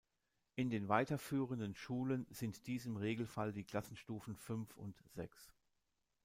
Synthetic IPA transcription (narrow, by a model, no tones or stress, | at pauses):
ʔɪndeːnvaɪtɐfyːʁəndənʃuːlənzɪntd̥iːzəmʁeːɡl̩faldiːkl̥asn̩ʃtuːfn̩fʏnfʊ̰ntz̥ɛ̰ks